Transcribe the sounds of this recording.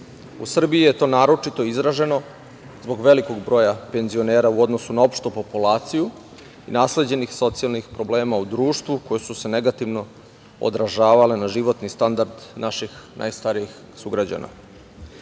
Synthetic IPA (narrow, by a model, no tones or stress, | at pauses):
usr̩biije̞t̪o̞ːnaːɾo̞t͡ʃit̪o̞izɾaʒe̞no̞ | zbo̞ɡʋe̞liko̞ɡbɾo̞ːjape̞nzio̞neːɾauod̪nosunao̞pʃt̪opo̞pulaːt̪siju | inaːsle̞d͡ʑe̞nixso̞t̪sialˠnixpɾo̞ble̞ːmaud̪ɾuːʃt̪ʋuko̞jesuse̞ne̞ɡat̪iʋno̞ | o̰d̪ɾaʒaːʋale̞naʒiʋo̞t̪nist̪and̪aɾd̪naʃixnʔa̰jst̪aɾijix | suɡɾad͡ʑa̰na̰